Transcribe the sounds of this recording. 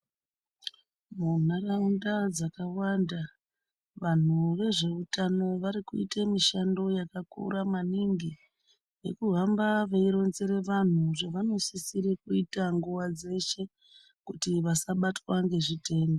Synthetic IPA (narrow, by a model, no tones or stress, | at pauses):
munaraundad͡zakawanda | ʋan̤uʋe̞ʐe̞utano̞ʋaɾikuḭtemiʃando̞jakakṵɾamaniŋɡi | je̞̰kuɦambaʋeiɾo̞nzeɾe̞ʋan̤uʐeʋano̞sisiɾikuitaŋɡuʋad͡ze̞ʃe̞ | kutiʋasaɓatwaŋɡe̞ʐite̞ːmbo